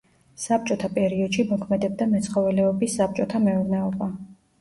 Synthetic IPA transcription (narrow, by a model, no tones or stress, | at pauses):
sap̚ʰt͡ʃʼɔt̪ʰapʼɛɾiɔd̪̥ʃimɔkʰmɛd̪ɛbd̪amɛt̪sʰχɔvɛlɛɔbisːap̚t͡ʃʼɔt̪ʰamɛuɾnɛɔba